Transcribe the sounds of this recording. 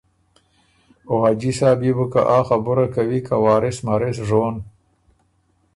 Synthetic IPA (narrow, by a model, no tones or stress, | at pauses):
ʊɣad͡ʒisaːbibukaʔɑːxabʊɾakawikawɑːɾɪsmaɾɪsʐon